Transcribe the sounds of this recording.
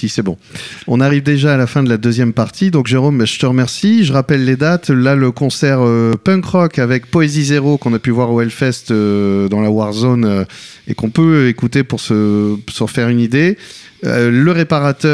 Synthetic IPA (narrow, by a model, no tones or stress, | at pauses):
sisɛbɔ̃ɔ̃naʁivd̪eʒaːlafɛ̃d̪əlad̪øzjɛmpaʁt̪ʰid̪ɔ̃kʒeʁombaʒət̪əʁəmɛʁsiʒəʁapɛlːed̪at̪laləkɔ̃sɛʁøpɛ̃kχɔkavɛk̚pɔezizeʁokɔ̃napyvwaʁoɛlfɛst̪ød̪ɑ̃lawaʁzonø | ḛkɔ̃pøekut̪epuʁsəsəʁəfɛʁynid̪e | ləʁepaʁat̪œ